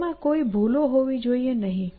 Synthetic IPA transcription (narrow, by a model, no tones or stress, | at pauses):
mãkoibʱuloɦoʋid͡ʒoienəɦĩ